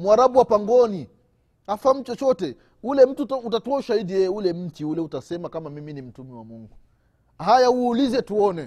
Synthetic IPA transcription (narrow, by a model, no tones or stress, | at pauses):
muaɾabuwapaŋɡɔni | afam̩t͡ʃɔt͡ʃɔtɛ | ulɛm̩tututatuauʃahidijɛjɛulɛm̩tiulɛutasɛmakamamiminim̩tumɛwamuŋɡu | hajauːlizɛtuɔnɛ